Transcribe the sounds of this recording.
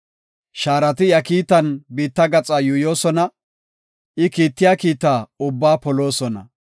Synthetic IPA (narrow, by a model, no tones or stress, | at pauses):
ʃaːɾɐt̪ɪjɐkiːt̪ːɐnbiːt̪ːɐɡɐt͡sʼajuːjo̞ːsɔnɐ | ʔɪkiːt̪ːɪjaːkiːt̪ːaːʊbːaːpɔlo̞ːsɔnɐ̰